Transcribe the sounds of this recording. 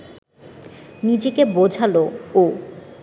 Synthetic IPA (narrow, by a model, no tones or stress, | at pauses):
nid͡ʑekebod͡ʑʱaloo